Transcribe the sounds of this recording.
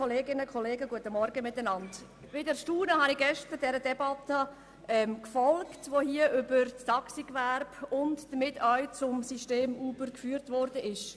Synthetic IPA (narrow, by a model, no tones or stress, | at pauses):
ɔleːɡɪnəkʰɔleːɡəɡuətəmɔɾɡəmɪtːənɑnd | vɪdɛɾʃtuːnəhɑniɡɛʃtəd̥ɛɾədɛbɑtə | ɛmkfɔlktʋoːhiəʔʏbəɾt͡stʰɑksikʋæɾbʊntd̥əmɪtœʏt͡sʊmsiʃteːmuːbəɾkfyːɾtʋɔɾdəʔɪʃ